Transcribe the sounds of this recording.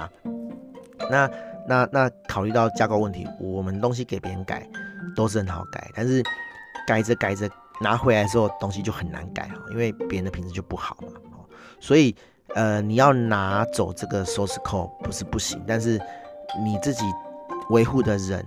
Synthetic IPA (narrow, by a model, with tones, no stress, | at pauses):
na˥˨na˥˧na˥˩kʰɑ˨˩ʊly˥˧t̪ɑ˥˩ʊt͡ɕja˥ko˥˧ʊwə˥˨nt̪ʰḭ˧˦wʔɔ˨˩mə˦nt̪o˥ŋɕ̬i˧˥ke˨˩ɪpjɛ˧˥ɻə˧˦nka̰˨˩ɪt̪o˥ʊʂ̩˥˩ə˧˦nxɑ˨˩ʊka̰˨˩ɪt̪a˥˧nʂɻ̩˥˩ka˨˩ɪd͡zə˨˦ka˨˩ɪd͡zə˦ | na˧˥xwe˧˥la˧ə˧ʂ̩˧xo˥˧ʊt̪o˥ŋɕi˧˦t͡ɕjo˥˩ʊxə˨˩nːa̰˧˦nka̰˨˩ɪxɔ̰˨˩ḭ˥nwe˥˩ɪpjɛ˧˥ə˧nd̪ə˧pʰi˧nt͡s̩˧t͡ɕjo˥˧pu˥˩xɑ˨˩˦ʊmɐ˨˩hɔ˨˩ | swɔ˧˥i˨˩ | ə˨ni˨˩jɑ˥˩ʊna˧˥˦t͡so˨˩ʊʈ͡ʂə˥˩ɡə˨sɔ˥s̩˧kʰo˥˩pu˧˦ʂɻ̩˥˧pu˥˩ɕḭ˧˦ŋt̪a˥˧nʂ̬ɻ̩˥˩ni˨˩t͡sɹ̩˥˩t͡ɕi˨˩we˧˥ɪxu˥˩d̪ə˩ɻə̰˨˧˦n